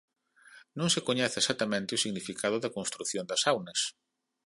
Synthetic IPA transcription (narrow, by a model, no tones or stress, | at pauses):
nõŋsekoɲɛθesat̪ɐmẽnt̪ɪosiɣnifikʰað̞ʊðɐkõnst̪ɾuθjond̪ɐsawnɐs